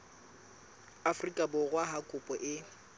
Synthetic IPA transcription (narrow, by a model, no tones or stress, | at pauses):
afʊrikʼabʊɣwaɦakʼʊpʼɔʔɪ